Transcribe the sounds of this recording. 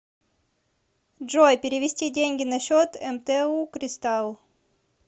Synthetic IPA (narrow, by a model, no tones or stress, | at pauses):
ʐojpʲɪɾʲɪvʲɪsʲtʲidʲenʲɡʲɪnɐɕot̪ɛmt̪ɛukɾʲɪst̪alˠ